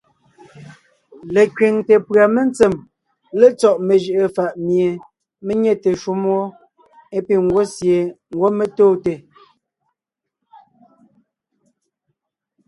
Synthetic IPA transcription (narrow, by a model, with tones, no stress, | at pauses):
le˨kɥi˨ŋte˨pɰa˨me˦n˦t͡se˨m | le˦t͡sɔ˦˨ʔme˨ʒə˨ʔə˨fa˨ʔmje˨ | me˦ɲe˦te˨ʃu˦mwo˦ | e˦pi˨ŋ˦ɡwo˦sje˨ŋ̩˨ɡwo˦me˦toː˦˨te˨